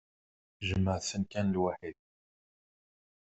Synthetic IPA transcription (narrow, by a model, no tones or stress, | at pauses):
ʒəmːəʕsənkænəlwaħid̪̚